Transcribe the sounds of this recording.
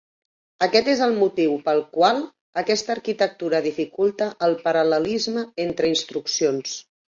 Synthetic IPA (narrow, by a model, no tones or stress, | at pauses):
əkɛt̪ezəlˠmut̪iwpəlˠkwalˠ | əkɛst̪əːɾkit̪ək̚t̪uɾəðifikulˠt̪əʔːlˠpəɾələlizməent̪ɾəinst̪ɾuksions